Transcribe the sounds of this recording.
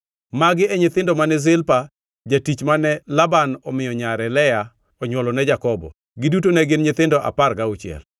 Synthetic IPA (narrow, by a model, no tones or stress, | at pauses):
maɡɪɛɲɪt̪ɪndɔmanɛzɪlpa | d͡ʒatit͡ʃmanɛlabanɔmɪjɔɲaɾɛlɛja | ɔɲwɔlɔnɛd͡ʒakɔbɔ̰ | ɡɪdutonɛɡɪnɲɪt̪ɪndɔʔa̰parɡaut͡ʃɪɛ̰l